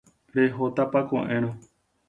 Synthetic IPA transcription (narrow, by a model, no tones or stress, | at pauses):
ɾeɦot̪apakõ̰ʔẽɾ̃õ